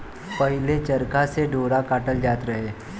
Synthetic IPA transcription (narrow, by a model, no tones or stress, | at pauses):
pɐɦɪlet͡ʃɐɾkaseɖʱoːɾakaːʈəld͡ʒaːt̪ɾɐɦeː